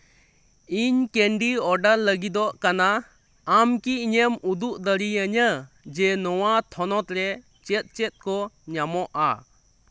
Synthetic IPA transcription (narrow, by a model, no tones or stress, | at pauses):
iɲkɛɳɖiɔɖallːəɡid̪ɔʔkana | amkiɲəmud̪uʔ̚d̪əɾiəɲə | d͡ʒɛnɔwat̪ʰɔnɔt̪ɾɛ | t͡ʃɛt̪̚t͡ʃɛt̪̚kɔɲamɔʔa̰